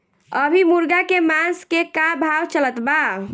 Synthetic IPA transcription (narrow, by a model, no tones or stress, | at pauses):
əbʱimuɾɡakemãnskekabʱawt͡ʃələt̪ba